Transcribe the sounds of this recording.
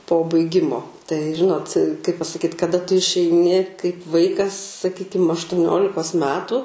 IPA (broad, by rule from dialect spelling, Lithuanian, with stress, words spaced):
poː bɐɪˈɡʲɪmoː tɐɪ ˈʒʲɪnoːt kɐɪp pɐsɐˈkʲiːt kɐˈdɐ tʊ ɪʃʲɛɪˈnʲɪ kɐɪp ˈʋɐɪkɐs sɐˈkʲiːkʲɪm ɐʃtʊˈnʲoːlʲɪkoːs ˈmʲæːtʊ